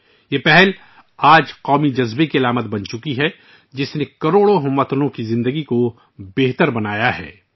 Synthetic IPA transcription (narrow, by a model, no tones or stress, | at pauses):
jeːpɛɦɛl | aːd͡ʒqɔːmid͡ʒɐzbekiɐlaːmət̪bɐnt͡ʃʊkiɦɛ | d͡ʒɪsnekɐɾoːɽoɦʊmːət̪lõkizɪ̃nd̪əɡiko | beːɦt̪əɾbɐnaːjaɦɛ̰ː